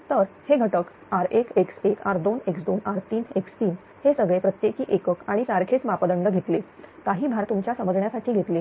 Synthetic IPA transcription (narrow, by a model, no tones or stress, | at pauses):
t̪əɾheɡʱəʈək | aɾekekseka̰ɾd̪oneksd̪onaɾt̪iːnekst̪iːn | hesəɡɭepɾət̪jekiːʔekəkaɽ̃isaɾkʰet͡smapəd̪əɳɖəɡʱet̪lek̪aɦiːbʱaɾt̪umt͡ɕjasəməd͡zɳjasaʈʰiːɡʱet̪le